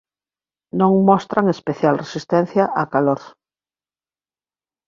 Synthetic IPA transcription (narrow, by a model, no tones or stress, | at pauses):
nõŋmost̪ɾaŋespeθjalresist̪ẽn̟θjaʔakaloɾθ